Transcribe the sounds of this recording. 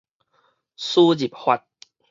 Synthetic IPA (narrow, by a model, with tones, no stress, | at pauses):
su˦d͡ʑi˨˩p̚hwa˧t̚